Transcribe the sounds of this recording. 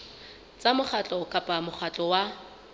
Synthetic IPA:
t͡sʼamʊχʰat͡ɬʼɔkʼapʼamʊχʰat͡ɬʼɔwa

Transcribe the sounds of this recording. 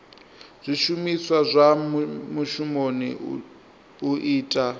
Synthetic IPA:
z̥ʷiʃumiswazʷamuʃumonḭ | uʔiːtʼa

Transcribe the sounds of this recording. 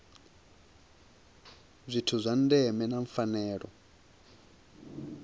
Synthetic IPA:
zʷitʰuzʷandɛmɛnaɱfanɛːɺɔ̰

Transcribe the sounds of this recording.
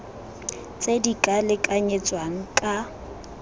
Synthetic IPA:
t͡sʼedikʼalɪkʼaɲet͡sʼwaŋ̩kʼa

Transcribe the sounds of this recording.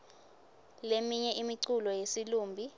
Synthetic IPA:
lemiɲɛʔimiǀulɔjesiluːmbʱi

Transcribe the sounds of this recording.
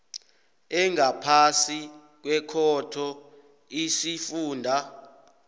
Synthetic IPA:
ɛŋʱapʰasi | k̬wɛkʰɔtʰɔ | isifuːndʱa

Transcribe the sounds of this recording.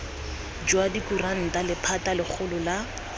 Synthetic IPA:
d͡ʒwadikuran̩talɪpʰatalɪk͡xʰʊlʊla

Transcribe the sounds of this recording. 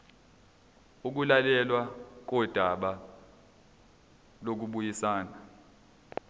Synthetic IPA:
uk̬ulalɛlwak̬ɔd̥ʱaɓa | lok̬uɓujisaːna

